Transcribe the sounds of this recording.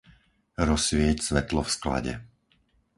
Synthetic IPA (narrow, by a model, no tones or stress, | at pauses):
ɾɔsʋɪɛcsʋɛt̪lɔfskla̰ɟɛ̰